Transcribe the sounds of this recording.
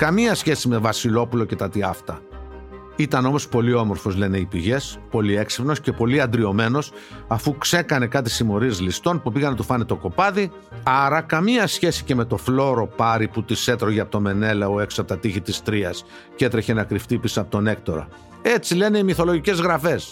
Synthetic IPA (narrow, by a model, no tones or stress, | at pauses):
kɐmiɐsçe̞sime̞vɐsilo̞pulo̞ce̞t̪ɐt̪iɐft̪ɐ | it̪ɐno̞mo̞spo̞lio̞mo̞ɾfo̞zle̞ne̞ipiʝe̞spo̞lie̞ksipno̞sce̞po̞liɐnd̪ɾio̞me̞no̞sɐfukse̞kɐne̞kɐt̪isimo̞ɾizlist̪o̞npupiɣɐnet̪ufɐnet̪o̞ko̞pɐði | ɐɾɐkɐmiɐsçe̞si̥ce̞me̞t̪o̞flo̞ɾo̞pɐɾiput̪ise̞t̪ɾo̞ʝeɐpot̪o̞me̞ne̞lɐoe̞ksosɐpot̪ɐt̪içit̪ist̪ɾiɐs | ce̞t̪ɾeçenɐkɾift̪ipisɐpot̪o̞ne̞k̚t̪o̞ɾɐ̰ | e̞t͡sile̞ne̞imiθo̞lo̞ʝice̞zɣɾɐfe̞s